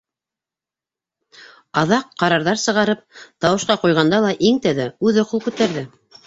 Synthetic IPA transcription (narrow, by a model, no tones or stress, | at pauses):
ɑðɑqːɑɾɑɾðɑɾsɤ̆ʁɑɾɤp̚t̪ɑwɤ̆ʃqɑqujʁɑnd̪ɑlˠɑʔiŋt̪æðæʉðŏqulˠkʉt̪æɾðɘ